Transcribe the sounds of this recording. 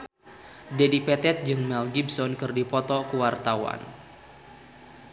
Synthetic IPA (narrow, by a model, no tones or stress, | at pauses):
dedipɛt̪ɛt̪̚d͡ʒɨŋmɛlɡibsɔnkɨrdipɔt̪ɔkəwart̪awa̰n